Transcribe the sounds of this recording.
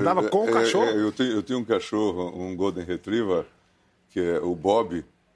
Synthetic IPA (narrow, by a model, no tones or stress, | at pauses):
t̪avɐkõaɛʃʃoɛewt̪ẽj̃ʊ̃ewt̪ẽj̃ʊ̃ũkaʃoɦʊũɡod̪ẽɦet̪ɾivɐ | kɪɛʊbɔbɪ